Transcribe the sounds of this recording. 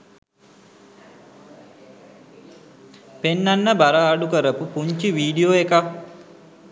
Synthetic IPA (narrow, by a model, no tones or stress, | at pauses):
penːanːəbaɾaːɖukəɾəpupuɲt͡ʃiʋiːɖioːeka